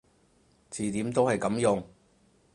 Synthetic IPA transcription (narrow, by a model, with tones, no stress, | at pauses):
t͡siː˨t̪iː˨˥mt̪o˥whɐ˨jkɐ˨˥mjʊ˨˩ŋ